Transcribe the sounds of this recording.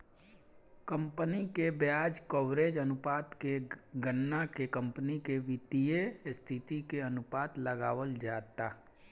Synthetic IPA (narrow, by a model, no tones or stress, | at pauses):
kə̃mpənikebjaːd͡ʒkowɾeːd͡ʒənʊpaːt̪keɡənːakekə̃mpənikeʋɪt̪ijest̪ʰɪt̪ikeənʊpaːt̪ləɡaːʋəld͡ʒaːt̪aː